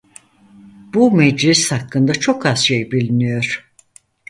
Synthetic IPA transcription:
b̥umɛd͡ʒlʲisːakːɯnd̪at͡ʃʰo̞kʰaz̥ʃejbilʲinijo̞ɾ̥

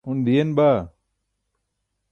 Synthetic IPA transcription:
und̪ijenba

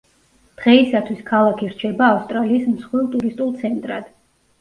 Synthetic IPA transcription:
d̪̥ʁɛisat̪ʰwiskʰalˠakʰiɾ̥t͡ʃʰɛbaːfst̪ʼɾaliːsmsχwilˠt̪ʼuɾist̪ʼulˠt̪sʰɛnt̪ʼɾad̪̥

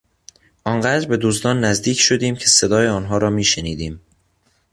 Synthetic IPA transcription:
ʔɒːŋɢæːd̪ɾbe̞d̪usd̪ɒːnːæzd̪iːcʰʃo̞d̪iːmcʰe̞se̞d̪ɒːjeɒːnɦɒːɾɒːmiːʃeniːd̪iːm

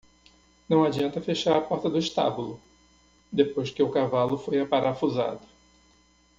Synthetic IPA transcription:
nɐ̃w̃ad͡ʒiɐ̃nt̪ɐfeʃaɾɐpɔɾt̪ɐd̪ʊɪʃt̪a̰bulʊ | d̪epojzɪkɪʊkavalʊfojapaɾaɾfuza̰d̪ʊ

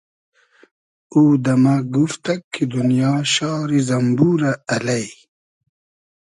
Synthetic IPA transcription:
uːd̪ɐmaɡuft̪ɐkʰːid̪unijɑːɕɑːɾizɐmbuːɾaɐlɐj

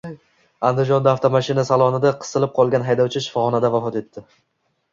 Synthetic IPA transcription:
and̪ɪd͡ʒɒnd̪aaft̪ʰomaʃɪnasalˠɒnɪd̪aqʰɨ̥sɨlɪp̚qʰɒlˠɡʲanɦajd̪ɒwt͡ʃʰɪʃɪ̥fɒχɒnad̪avafɒt̪e̞t̪ːɪ

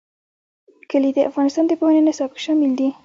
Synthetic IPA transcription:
kəlid̪əʔa̰fɣɑnɪst̪ɑnd̪əpohanenasɑbɪkʃɑmɪld̪i

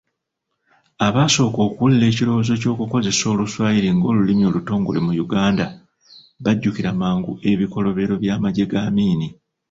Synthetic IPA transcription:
aβaːso̞ːko̞ːkuulle̞ːcilo̞wozoco̞ːkuko̞ze̞so̞ːluswaːjiɾiŋɡo̞ːlulimjo̞luto̞ːŋɡo̞̰limujuɡaːnda | βaɟːuciɾamaːŋɡuʔe̞βiko̞lo̞βe̞ɾo̞βjaːmaɟe̞ɡaːmiːni

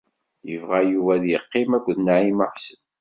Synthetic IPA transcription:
jəvʁæjuvæðjəqːɪmækʷːðnaʕiməħsən

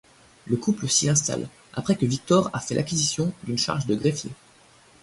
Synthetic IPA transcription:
ləkupləsiɛ̃st̪a̰l | ʔa̰pχɛkəvik̚t̪ɔʁafɛlʔakʲizisjɔ̃d̪ynʃa̰ʁʒd̪əɡʁefjḛ

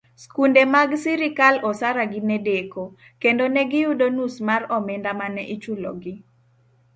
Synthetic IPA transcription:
skundemaɡsiɾɪkalɔsaɾaɡɪnɛdeko | kendonɛɡɪjudonusmarɔmɛndamanɛʔit͡ʃulɔɡɪ

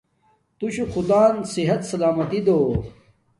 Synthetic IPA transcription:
t̪uɕuxud̪aːnsiɦɐt̪sɐlaːmɐt̪id̪oː

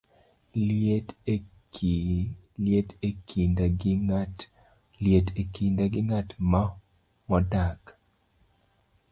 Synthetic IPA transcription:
jetekʰinda | ljetekindaɡɪŋatma | mɔdak

